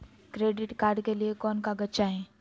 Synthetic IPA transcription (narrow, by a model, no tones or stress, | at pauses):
kɾeːɖɪʈkaːɾɖkeliekɔːnkaɡɐtːʃaɦɛː